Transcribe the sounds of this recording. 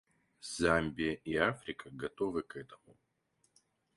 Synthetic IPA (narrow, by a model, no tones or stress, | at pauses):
z̥ambʲɪjəʔiafɾʲɪkəɡɐt̪o̞vɨkɛt̪əmʊ